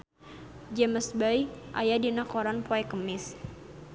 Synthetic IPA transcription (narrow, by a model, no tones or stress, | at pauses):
d͡ʒɛməsbajʔa̰jadinakɔɾanpɔɛkəmɪs